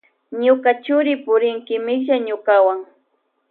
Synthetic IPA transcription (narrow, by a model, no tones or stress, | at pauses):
ɲʊkat͡ʃʊɾɪpʊɾɪŋkɪmɪkʒaɲʊkawaŋ